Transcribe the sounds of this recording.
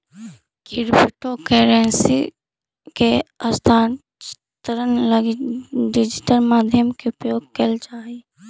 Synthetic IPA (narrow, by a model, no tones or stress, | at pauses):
kɪɾpɪʈokeːɾeːnsḭ | keɐst̪ʰaːn | t͡ʃɪ̥t̪ɾənləɡɖɪd͡ʒɪʈəlmaːd̪ʱjəmkeʊpjoːɡ̚kelt͡ʃaːɦi